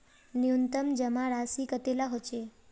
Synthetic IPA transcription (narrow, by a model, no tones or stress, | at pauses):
niunt̪əmd͡ʒəmaɾasikət̪elaɦot͡ʃʰe